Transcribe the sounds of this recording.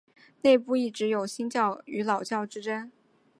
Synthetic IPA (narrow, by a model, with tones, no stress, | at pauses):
ne˥˧ɪpu˥˧i˥˩ʈ͡ʂɻ̩˧˥jo˨˩ʊɕi˥nt͡ɕjɑ˥˩ʊy˧˥lɑ˨˩ʊt͡ɕjɑ˥˩ʊʈ͡ʂɻ̩˥ʈ͡ʂə˥n